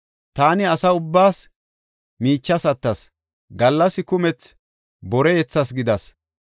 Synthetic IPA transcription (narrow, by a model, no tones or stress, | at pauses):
t̪aːnɪɐsɐʊbːaːs | miːt͡ʃːɐsɐt̪ːɐs | ɡɐlːɐsɪkʊmɛt͡s | bɔɾɛjɛt͡sːɐs̬ɡɪd̪ɐs